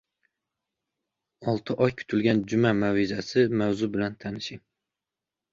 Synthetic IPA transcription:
ɒlˠt̪ʰɪʔɒjkʲʰʊ̥t̪ʰɪlɡʲand͡ʒʊmamawɪzasɪmawzʊbɪlant̪ʰanɪʃɪŋ

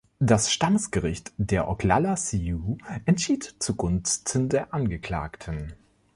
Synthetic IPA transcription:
d̥asʃtandəsɡ̥əʁɪçtd̥eːɐʔɔkʰla̰lasiuʔɛntʃiːtt͡suɡʊnstʰən̩deːɐʔanɡəkl̥a̰ːktʰən

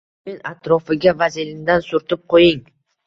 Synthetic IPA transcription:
menat̪ɾɒfɪɡʲavazɪlɪnd̪ansʊɾt̪ʊp̚qʰojɪŋ

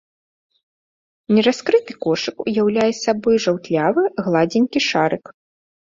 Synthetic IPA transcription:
nʲɛɾaskɾɨt̪ɨkɔʂɨkṵjawlʲajɛsʲabɔjʐawt̪lʲavɨɣlˠad͡zʲɛnʲkʲiʂaɾɨk

